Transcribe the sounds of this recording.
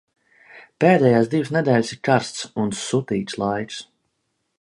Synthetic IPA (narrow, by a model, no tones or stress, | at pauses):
peːd̪ɛjaːsd̪iwsnɛd̪ʲɛːlʲsiɾkaɾst̪sunsut̪iːt̪slˠajks